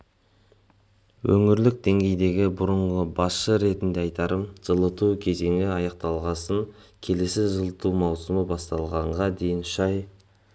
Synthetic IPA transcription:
wɵŋɪɾlɪk̚d̪e̞ŋɡʲe̞jd̪e̞ɡʲɪbʊɾəɴʁəbɑsʃəɾe̞t̪ɪnd̪eɑjt̪ɑɾəmʒ̥əlˠət̪ukʲʰe̞ze̞ŋɪɑjɑq̚t̪ɑlˠʁɑsəŋkʲʰe̞le̞sɪʒəlˠət̪umɑwsəməbɑst̪ɑlˠʁɑɴʁɑd̪e̞jɪnʃɑj

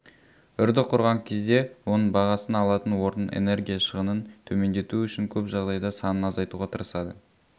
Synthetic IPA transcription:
ʏɾd̪ɪqʰʊɾʁɑŋkʲʰe̞zd̪e̞wonəɴbɑʁɑsənɑlˠɑt̪ənwo̞ɾənḛne̞ɾɡʲijɑʃəʁənənt̪ʰɵme̞nd̪e̞t̪uʏʃɪŋkʲʰɵpʒɑʁd̪ɑjd̪ɑsɑnənɑzɑjt̪uʁɑt̪ʰəɾəsɑd̪ə

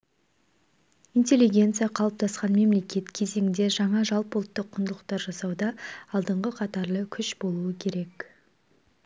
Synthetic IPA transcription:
int̪ʲe̞lʲːiɡʲe̞nt̪sɨjɑqʰɑlˠəp̚t̪ʰɑsqɑnme̞mle̞kʲe̞t̪kʲʰe̞ze̞ŋʲɪnd̪e̞ʒɑɴɑʒɑlˠpolˠt̪ːəqʰːʊnd̪ələqt̪ɑɾʒɑsɑwd̪ɑɑlˠd̪əɴʁəqʰɑt̪ɑɾlˠəkʲʰʏʃbo̞lˠuəkʲʰe̞ɾe̞k

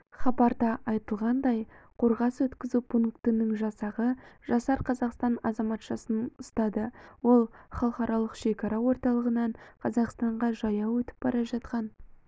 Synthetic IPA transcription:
χɑbɑɾd̪ɑʔɑjt̪əlˠʁɑnd̪ɑjqʰo̞ɾʁɑswɵt̪kʲɪzupʰuŋkt̪ənəŋʒɑsɑʁəʒɑsɑɾqʰɑzɑqst̪ɑnɑzɑmɑt̪ʃɑsənʊst̪ɑd̪əwo̞lˠχɑlˠəqɑɾʔɑlˠəqʃe̞kɑɾɑwo̞ɾt̪ɑlˠəʁənɑɴqʰɑzɑqst̪ɑɴʁɑʒɑjɑwɵt̪ɪ̥p̚bɑɾɑʒɑt̪̚qɑn

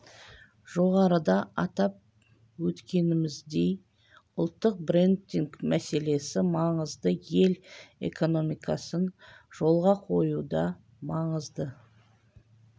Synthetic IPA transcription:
ʒo̞ʁɑɾəd̪ɑɑt̪ɑp̚ | wɵt̪kʲe̞nɪmɪzd̪e̞j | ʊlˠt̪ːəq̚bɾent̪ːiŋkmæse̞le̞sɪmɑɴəzd̪əje̞le̞̰ko̞no̞mijkɑsənʒ̥o̞lˠʁɑqʰo̞jud̪ɑ | mɑɴəzd̪ə

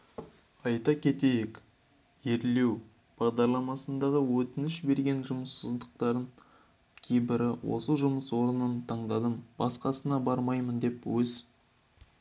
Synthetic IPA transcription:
ɑjt̪ɑkʲʰe̞t̪e̞jek | e̞ɾle̞w | b̥ɑʁd̪ɑɾlˠɑmɑsənd̪ɑʁəwɵt̪ɪnɪʃbe̞ɾɡʲe̞nʒʊməsːəzd̪əq̚t̪ɑɾd̪əɴ | kʲʰejbɪɾɪwʔo̞̰səʒʊməswo̞ɾənənt̪ʰɑɴd̪ɑd̪əmbɑsqɑsənɑbɑɾmɑjmənd̪e̞pwɵz

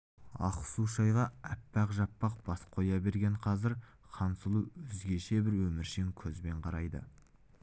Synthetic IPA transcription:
ɑ̰qsuʃɑjʁɑæpːæqʒɑpːɑq̚b̥ɑsqʰo̞jɑbe̞ɾɡʲe̞ɴqʰɑzɪɾ | qʰɑnsəlˠuʏzɡʲe̞ʃe̞bɪɾwɵmɪɾʃeŋkʲʰɵzbe̞ɴqʰɑɾɑjd̪ə̰

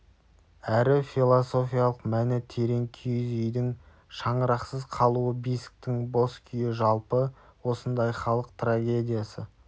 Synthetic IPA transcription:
æɾɪfilˠoso̞fijalˠəqmænɪt̪ʰe̞ɾe̞ŋkʲʰʏjzʏjd̪ɪŋ | ʃɑɴəɾɑqsəzqʰɑlˠuəbisk̚t̪ɪŋbo̞skʲʰʏjɪʒɑlˠpəwo̞sənd̪ɑjχɑlˠəqt̪raɡʲe̞d̪ʲijasə

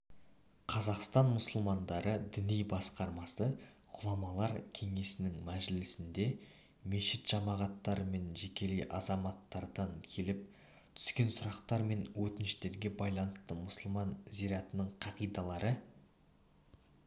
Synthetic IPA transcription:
qʰɑzɑqst̪ɑnmʊsəlˠmɑnd̪ɑɾʔəd̪ɪnijbɑsqɑɾmɑsə | qʰʊlˠɑmɑlˠɑɾkʲʰe̞ŋe̞sɪnɪŋmæʒlɪsɪnd̪e̞ | me̞ʃɪt̪ʒ̥ɑmɑʁɑt̪ːɑɾəme̞nʒe̞kʲe̞lejʔɑzɑmɑt̪ːɑɾd̪ɑŋkʲʰe̞lɪp̚ | t̪ʰʏ̥skʲe̞nsʊɾɑqt̪ɑɾme̞nwɵt̪ɪnʃɪt̪e̞ɾɡʲe̞bɑjlˠɑnəst̪əmʊsʊlˠmɑnziɾɑt̪ənəɴqʰɑʁijd̪ɑlˠɑɾə

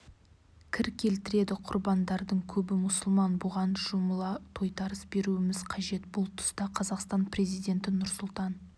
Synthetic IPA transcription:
kʲʰɪɾkʲʰe̞lt̪ɪɾe̞d̪ɪqʰʊɾbɑnd̪ɑɾd̪əɴkʲʰɵbɪmʊsʊlˠmɑnbʊʁɑnʒ̥ʊməlˠɑt̪ʰo̞jt̪ɑɾəsbe̞ɾuɪmɪzqʰɑʒe̞t̪bʊlˠt̪ʰʊ̥st̪ɑqʰɑzɑqst̪ɑnpre̞zijd̪e̞nt̪ɪnʊɾsʊlˠt̪ɑn

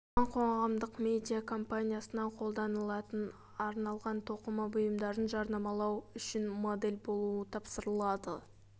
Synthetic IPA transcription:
ɑɴqʰo̞ɴʁɑmd̪əqme̞d̪ʲijakʰo̞mpanʲijasənɑqʰo̞lˠd̪ɑnəlˠɑt̪ən | ɑɾnɑlˠʁɑnt̪ʰo̞qəmɑbʊjəmd̪ɑɾənʒɑɾnɑmɑlˠɑwʏʃɪnmo̞d̪e̞lʲbo̞lˠuət̪ʰɑpsəɾəlˠɑd̪ə

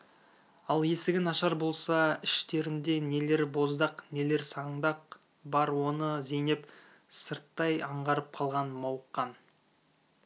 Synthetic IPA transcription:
ɑlˠje̞sɪɡʲɪnɑʃɑɾbo̞lˠsɑɪʃt̪e̞ɾɪnd̪e̞ne̞le̞ɾbo̞zd̪ɑqne̞le̞ɾsɑɴd̪ɑq̚ | bɑɾwo̞nəze̞nep | səɾt̪ːɑjɑɴʁɑɾəp̚qʰɑlˠʁɑnmɑwəqːɑn

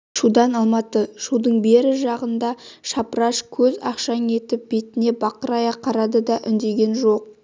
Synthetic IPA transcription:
ʃud̪ɑnɑlˠmɑt̪əʃud̪əɴbe̞ɾɪʒɑʁənd̪ɑʃɑpɾɑʃkʲʰɵzɑ̰qʃɑne̞t̪ɪp̚be̞t̪ɪne̞bɑqəɾɑjɑqʰɑɾɑd̪əd̪ɑʔʏ̰nd̪e̞ɡʲe̞nʒo̞q̚

